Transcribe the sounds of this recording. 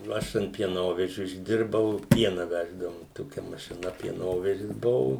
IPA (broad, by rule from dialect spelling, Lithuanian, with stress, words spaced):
ˈɐʃ ɐnt pʲiɛˈnoːʋʲɛʒʲʊ ɪʒʲˈdʲɪrbɐʊ ˈpʲiɛnɐ ˈʋʲæːʒdɐʋʊm ˈtoːkʲɛ mɐʃʲɪˈnɐ pʲiɛˈnoːʋʲɛʒʲɪs ˈbʊʋʊ